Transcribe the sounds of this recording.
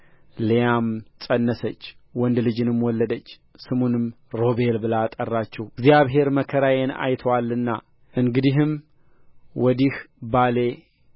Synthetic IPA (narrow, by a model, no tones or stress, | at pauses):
lejamsʼənːəsət͡ʃːwɔnd̪lɨd͡ʒɨnɨmwɔlːəd̪ət͡ʃː | sɨmunɨm | ɾo̞be̞lbɨlat̪ʼərːat͡ʃːɛhɡzijaβɦe̞ɾməkʰəɾajena̰jt̪ʰwalːɨnːa̰ | ʔɨŋɡɨd̪iɦɨm | wɔd̪ihbale̞